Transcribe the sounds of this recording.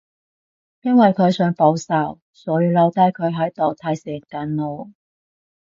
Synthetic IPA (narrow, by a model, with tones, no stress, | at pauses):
jɐ˥nwɐ˨jkʰɵ˨˧ɥsœː˨˥ŋpo˨˥wsɐ˨˩w | sɔː˨˥jiː˧wlɐ˨˧wt̪aː˧˥jkʰɵ˨˧ɥɦɐ˨˥jt̪o˨wt̪ʰaː˧jsɛː˨˩kaː˨˧nlo˨˧w